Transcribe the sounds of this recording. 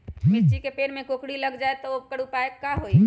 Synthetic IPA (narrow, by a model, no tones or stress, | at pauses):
mist͡ʃikepeɽmẽkokɽiləɡd͡ʒaet̪ɔokəɽupaekːaɦoi